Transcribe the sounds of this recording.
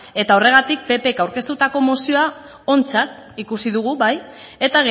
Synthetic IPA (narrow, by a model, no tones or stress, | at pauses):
e̞t̪ao̞re̞ɣ̞at̪ik̚pe̞pe̞kawɾke̞st̪ut̪ako̞mo̞sio̞a | o̞nt͡sat̪ | ikusiðuɣ̞uβaj | e̞t̪aɣe